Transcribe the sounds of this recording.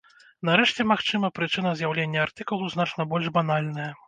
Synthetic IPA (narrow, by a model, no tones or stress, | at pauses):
nɐɾɛʂt͡sʲɛmaxt͡ʂɨmɐpɾɨt͡ʂɨn̪ɐzjawlʲenʲːɐart̪ɨkulˠuznat͡ʂnɐbɔlʲʐbanalʲnɐjɐ